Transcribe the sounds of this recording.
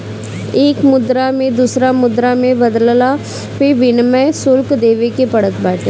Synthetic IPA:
eːkmʊd̪ɾamẽd̪usɾamʊd̪ɾamẽbəd̪llaː | pʰɪʋɪnmɛsʊlkd̪eːʋekepəɽət̪baːʈja

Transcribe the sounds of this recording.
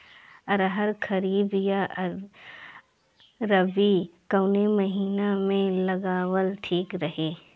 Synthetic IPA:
ɐɾɦəɾkʰɐɾiːbjaɾ | ɾɐʋikɐwnemɐɦiːnamẽlɐɡaːwəlʈʰiːkɾɐɦeː

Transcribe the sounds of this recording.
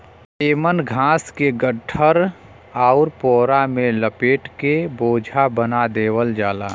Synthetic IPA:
eːmənɡʱãːskeɡəʈʰːəɾ | aʊɾpoːɾamẽləpeːʈkeboːd͡ʒʱabənad̪eːwəld͡ʒaːla̰ː

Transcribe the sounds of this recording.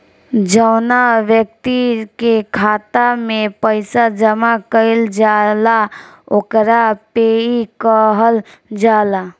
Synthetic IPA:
d͡ʒəːnaʋjək̚t̪ikekʰaːt̪amẽpəɪsad͡ʒəmakəɪld͡ʒaːlaokɾapeːikəɦəl | d͡ʒaːla

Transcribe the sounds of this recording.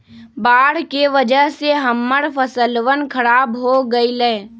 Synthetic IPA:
baːɽkeʋəd͡ʒəɦseɦəmːəɽpʰəsəlʋənkʰəɾaːbɦoɡəilɛe

